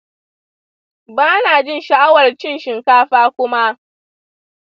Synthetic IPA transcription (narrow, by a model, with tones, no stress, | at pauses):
baː˦naː˨d͡ʒɪ˦nʃa˨ʔa˦wɐ˨rt͡ʃɪ˦nʃɪ˨ŋkaː˦ɸaː˦kʷʊ˦ma˦ʔ